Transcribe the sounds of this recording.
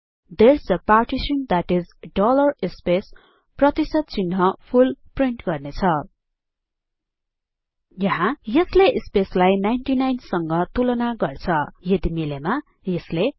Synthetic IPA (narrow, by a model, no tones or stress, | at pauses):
d̪ersʌparʈisʌnd̪aʈizɖolʌrispes | prʌt̪isʌd̪̚t͡sinɦʌpʰulpriɳʈɡʌrnet͡sʰʌ | jʌɦãjʌsleʔspeslajnajnʈinajnsʌŋɡʌt̪ulʌnaɡʌrt͡sʰʌjʌd̪imilema | jʌsle